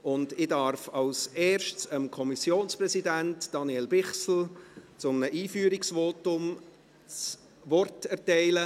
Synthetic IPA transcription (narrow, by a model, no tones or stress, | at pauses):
ʊndɪdɑɾfɑlseːɾʃtsəmkʰɔmisjoːnsprɛsidæntd̥ɑniɛlbɪχsl̩t͡sʊmnəʔiːfyːɾɪksvoːtʊm | t͡s | ʋɔrtɛɾtɛɪlə